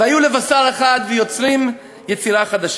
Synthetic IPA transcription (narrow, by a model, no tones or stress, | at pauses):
ajulevasaleχad̪vejo̞t͡sɾim | jet͡siɾaχad̪aʃ